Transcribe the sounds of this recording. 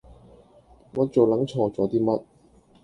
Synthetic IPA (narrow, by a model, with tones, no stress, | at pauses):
ŋɔː˨˧t͡so˨wlɐ˨˥ŋt͡ʃʰɔː˧t͡sɔː˨˥t̪iː˥mɐ˥t̚